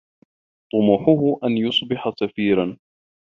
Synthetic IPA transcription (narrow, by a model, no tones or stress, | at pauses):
t̪ˤʊmuːħʊɦʊʔanjʊsˤbɪħasafiːɾan